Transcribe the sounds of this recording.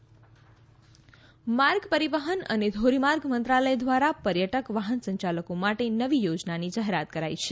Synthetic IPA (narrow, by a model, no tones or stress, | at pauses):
maɾɡpəɾiʋəɦənə̰ned̪ʱoɾimaɾɡmənt̪ɾaləjd̪ʋaɾapəɾjəʈəkʋaɦənsəɲt͡ʃaləkomaʈenəʋijod͡ʒnanid͡ʒaɦeɾat̪kəɾajt͡ʃʰe